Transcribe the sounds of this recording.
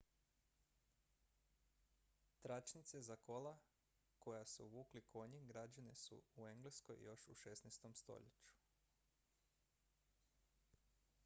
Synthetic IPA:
t̪ɾat͡ʃnit̪sezako̞la | ko̞jasuuʋuːklikʰo̞ɲiɡɾad͡ʒanesṵue̞ŋɡleskojjo̞ʃuʃesnɛjst̪o̞mst̪o̰ʎḛt͡ɕu̥

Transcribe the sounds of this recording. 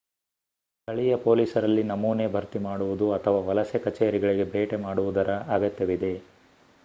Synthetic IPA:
t̪ɐɭijɐpo̞ːliːsɐɾɐlːinɐmuːnebʱɐɾt̪imaːɽuʋud̪uɐt̪ʰɐʋaːʋɐlɐsjekɐt͡ʃeːɾiɡɐɭiɡe̞bʱeːʈemaːɽuʋud̪ɐɾɐaːɡɐt̪jɐʋid̪e̞

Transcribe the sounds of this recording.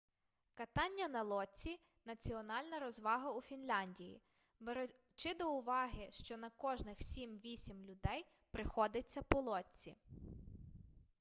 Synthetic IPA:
kɐt̪ɑnʲːɐnɐlˠɔt͡sʲi | nɐt͡sʲiɔnɑlʲnɐɾɔzʋɑɦɐufʲinlʲɑnʲdʲijḭ | beɾ | t͡ʃɪd̪ɔʊʋɑɦɪʃt͡ʃɔnɐkɔʒnɪxsʲimʋʲisʲimlʲʊd̪ɛj | pɾɪxɔd̪ɪt͡sʲːɐpɔlˠɔt͡sʲːḭ

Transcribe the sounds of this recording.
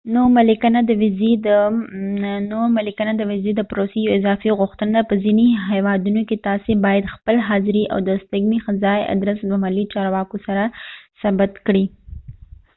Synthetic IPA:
nomalɪkanad̪əwɪzid̪ə | noɾmalikanad̪əwɪzed̪əpɾosejoɪzɑfiɣʊxt̪ənd̪apəziniɦawɑd̪unoket̪ɑsebɑjad̪xpəlɦɑzɪɾiʔa̰wd̪əst̪aɡmixazɑja̰d̪ɾəsd̪əmalːit͡ʃɑɾwɑkosaɾasabat̪kɽi

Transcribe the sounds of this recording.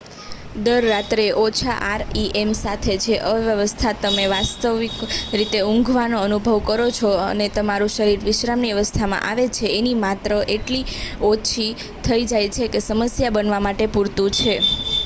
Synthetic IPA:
d̪əɾːat̪ɾeʔot͡ʃʰa̰ʔaɾiʔemsat̪ʰet͡ʃʰeʔəʋjəʋəst̪ʰat̪əmeʋast̪əʋikɾit̪eũŋɡʱʋanoənubʱəʋkəɾot͡ʃʰoə̰net̪əmaɾũʃəɾiɾʋɪʃɾamniʋəʋəst̪ʰamã̰ʔaʋet͡ʃʰeːnimat̪ɾəʔeʈliot͡ʃʰi | t̪ʰəid͡ʒajt͡ʃʰekesəməsjabənʋamaʈepuɾt̪ũt͡ʃʰe

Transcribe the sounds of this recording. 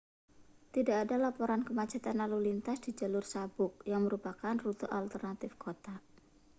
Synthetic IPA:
t̪idakːdalapoɾankəmat͡ʃat̪anlalulint̪asd̥id͡ʒalʊrsabʊk̚jaŋməɾupakanrut̪uʔalt̪ərnat̪ɪfkʰot̪a

